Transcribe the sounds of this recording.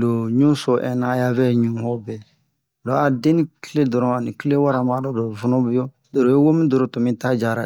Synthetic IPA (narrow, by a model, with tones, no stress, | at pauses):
lo˨ɲũ˦so˨ʔɛ˨na˨˦ja˦vɛ˦ɲũ˨hɔ˦bɛ˨ | lɔ˨˦a˨dẽ˦nĩ˦ki˦le˦dɔ˨ɾɔ̃˨a˨ni˨ki˦le˦wa˦ɾa˨ma˦dɔ˨do˨vu˦no˦bi˦jo˦ | do˨ɾo˨je˦wo˦mĩ˦do˨ɾo˨to˨mĩ˦ta˦d͡ʒa˨ɾa˨